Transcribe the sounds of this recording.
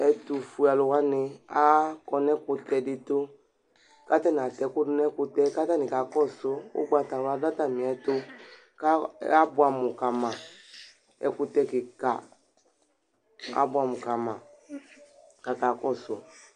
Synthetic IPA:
ɛ˨tu˨fu˨a˨lʊ˨wa˦nɪ˧a˦kɔ˧nɛ˦kʊ˧tɛ˨dɪ˧to˦ | ka˦ta˦n˨a˨tɛ˨˦kʊ˦dʊ˦nɛ˦kʊ˧tɛ˦ka˦ta˦nɪ˨ka˨kɔ˦sʊ˦ʊ̰˦ɡ͡ba˨ta˨la˧da˦ta˨mi˨ɛ˨tʊ˦ | ka˦a˦bʊ˨˦a˨mʊ˨ka˨mã˨ | ɛ̰˨kʊ˧tɛ˧kɪ˨ka̰˨ | a̰˨˦bʊ˦a˨mʊ˨ka˨mã˨ | ka˨ka˨kɔ˦˨sʊ˨

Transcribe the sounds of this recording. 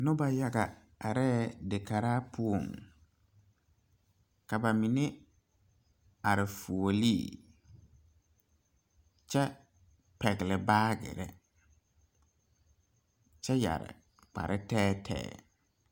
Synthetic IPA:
nʊ̃˦ba˨ja˨ɡa˨ | a˨ɾɛ˦dɪ˨kʰa˨ɾaː˦pʰʊ˦o˨m | ka˨ba˨mĩ˨nɪ̃˦ | a˨ɾɪ˨fu˨o˨lḭ˦˨ | t͡ɕʰɛ˦ | pʰɛ˨ɡlɪ˨baː˦ɡɪ̰˨ɾɛ̰˦ | t͡ʃʰɛ˦ja̰˨ɾɪ̰˨ | k͡pʰa̰˨ɾʔɪ˦tʰɛː˦tʰɛ̰ː˦˨

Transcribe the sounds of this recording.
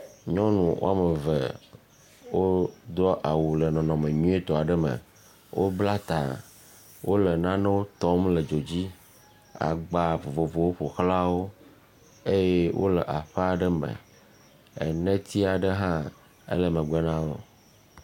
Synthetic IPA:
ɲɔ̃˦nũ˨wʔo̰˦a˨me˨vḛ˨ | wo˦d̪ɔ˦ʔa˨wu˨lɛ˨nɔ̃˨nɔ̃˨mẽ˨ɲũ˦e˦t̪ɔ˨a˨ɖə˦mə̰̃˨ | wʔo˦bla˦t̪a˨ | wʔo˦le˨nã˦nɛ̃˦wo˦t̪ɔ˦mlə˨d͡ʒo˨d͡ʑi˦ | a̰˨ɡ͡ba˨vo˨vo˨vo˨wo˦ɸo˨xla˦wo˦ | e˦jɛ˦wʔo̰˦lɛ˨ʔa˨ɸɛ˦a˨ɖə˦mə̰˨ | ɛ̰˨nɛ̃˦t̪i˦a˨ɖə˦ɦã˦ | ḛ˦lə˨mə̃˨ɡ͡bɛ˦nã˦wo˦

